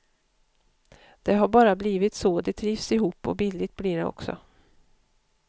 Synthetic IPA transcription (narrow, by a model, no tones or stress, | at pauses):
d̪̥ɛɦaɾbɑːɾabliːvɪt̪sɔd̪ɛt̪ʰɾiːvsɪɦuːpːɔ̰bɪlːɪt̪̚bliɖɛ̰ɔ̰ksɔ̰